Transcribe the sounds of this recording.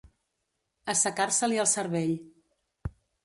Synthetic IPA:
əsəkaɾsəliəlˠsəɾβeʎ

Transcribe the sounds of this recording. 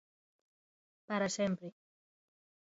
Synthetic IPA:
paɾasempɾe

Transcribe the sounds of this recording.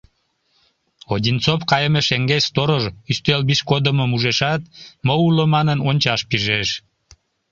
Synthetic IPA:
odʲint͡sopkɑjəmeʃeŋɡest̪oɾoʒyst̪elbiʃkod̪əməmuʒeʃɑt̪məuləmɑnənonʲt͡ɕɑʃpiʒeʃ

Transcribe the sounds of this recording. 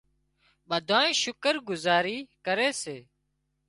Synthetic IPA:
ɓəd̪ʱaːẽːʃʊkəɾɡʊzaːɾiːkəɾeːseː

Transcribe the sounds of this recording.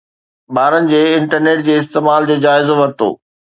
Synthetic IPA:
ɓaːɾənɪ̆d͡ʑeːɪ̃ɳʈəɾneːʈ̚d͡ʑeːɪst̪eːmaːld͡ʑoːd͡ʑaːɪzoʋɐɾt̪o̰ː

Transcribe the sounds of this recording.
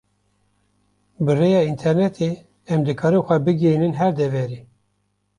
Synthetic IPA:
bɨrejɑːint̪ʰɛɾnɛt̪ʰe | ɛmd̪ɨkʰɑːɾɨxʷɛbɨɡenɨnɦɛɾd̪ɛvɛɾeː

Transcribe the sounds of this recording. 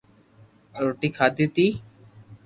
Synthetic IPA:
ɾoʈikʰad̪it̪i

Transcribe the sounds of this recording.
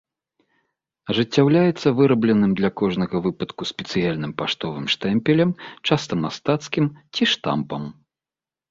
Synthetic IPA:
ɐʐɨt͡sʲːawlʲajɛt̪sːɐvɨɾɐblʲɛnɨmd̪lʲɐkɔʐnɐɣɐvɨpɐt̪kusʲpʲɛt̪sɨjalʲnɨmpaʂt̪ɔvɨmʂt̪ɛmpʲɛlʲɐmt͡ʂast̪ɐmast̪at̪skʲimt͡sʲiʂt̪a̰mpɐm

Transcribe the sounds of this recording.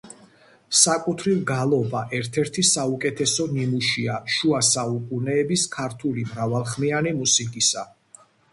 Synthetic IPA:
sakʼut̪ʰɾivɡalˠɔbaʔɛɾt̪ʰɛɾt̪ʰisaukʼɛt̪ʰɛsɔnimuʃiaʃuasaukʼunɛːbiskʰaɾt̪ʰulimɾavalˠχmianimusikʼisa

